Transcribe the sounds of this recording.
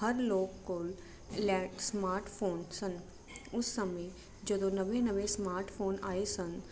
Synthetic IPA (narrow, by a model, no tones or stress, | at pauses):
ɦəɾloːkːoːl | lɛːʈsmaːɾʈfʰoːnsən | ʊsːəmi | d͡ʒod̪õnəʋẽnəʋesmaːɾʈfʰoːnaːesən